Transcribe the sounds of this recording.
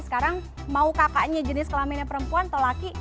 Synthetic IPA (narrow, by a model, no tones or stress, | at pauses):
sə̥kaɾaŋ | maukakaɲad͡ʒənɪskəlaminapəɾəmpuant̪əlaki